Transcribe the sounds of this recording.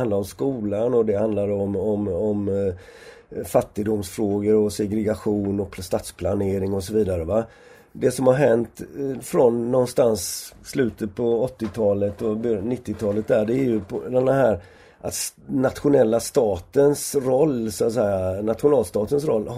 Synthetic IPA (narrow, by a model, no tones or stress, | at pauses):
and̪laɾɔmskuːlanɔd̪ɛhand̪laɾɔmɔmɔm | fat̪ːɪd̪ʊmsfɾoːɡəɾɔsɛɡɾɛɡaɧuːnɔkst̪aːt̪spʰlaneːɾɪŋɔsɔviːd̪aɾəva | d̪ɛsɔmhaɾɦɛnt̪fɾɔnːɔnst̪ansːlʉ̟ːt̪ət̪̚pʰɔɔt̪ːɪt̪ʰɑːlət̪ɔbœnɪt̪ːɪt̪ʰɑːlət̪̚d̪æɖɛæɾjɵpʰd̪ɛnɦæːɾ | ʔat̪nat̪ɧʊnɛlːast̪ɑːt̪ənsɾɔlːsɔat̪sɛjanat̪ɧʊnɑːlst̪ɑːt̪ənsɾɔ̰lː